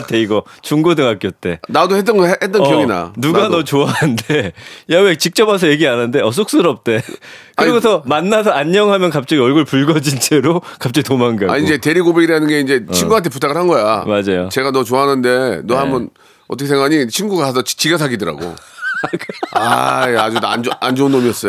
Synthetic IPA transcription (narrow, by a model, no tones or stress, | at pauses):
tʰeiɡʌt͡ɕuŋɡudɯŋak͈jʌt̚t͈e̞nadohet͈ʌhet͈ʌnkjʌŋina̰nuɡanʌt͡ɕoaɦɯndejawekt͡ɕik̚t͡ɕ͈ʌbas̬ʰʌje̞ɡianɯnde̞ʌs̬ʰok̚s͈ɯɾʌp̚t͈e̞kɯɾiɡosʰʌmanːas̬ʰʌaɲːʌŋɦamjʌnkap̚t͡ɕ͈aɡiʌɭɡuɭpuɭɡʌd͡ʑint͡ɕʰeɾokap̚t͡ɕ͈aɡitomaŋɡaa̰ɲiind͡ʑe̞te̞ɾiɡobeɡiɾanɯnɡe̞ind͡ʑet͡ɕʰiŋɡuɦantʰe̞putʰaɡɯɭhanɡʌjamad͡ʑajot͡ɕe̞ɡanʌt͡ɕoaɦanɯnde̞noɦambʌn | ʌt͈ʌkesʰeŋɡaɲit͡ɕʰinɡuɡaas̬ʰʌt͡ɕt͡ɕiɡas̬ʰaɡidɯɾa̰ɡo̰ | a̰iad͡ʑua̰nand͡ʑounːomiʌs͈ʌo